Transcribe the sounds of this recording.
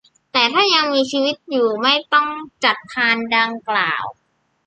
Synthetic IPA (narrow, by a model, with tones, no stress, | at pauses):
t̪ɛː˨˩t̪ʰaː˥˩ja˧ŋmiː˧t͡ɕʰiː˧wi˦˥t̪̚juː˨˩ma˥˩jt̪ɔ˥˩ŋt͡ɕa˨˩t̪̚pʰaː˧nda˧ŋkla̰ː˨˩w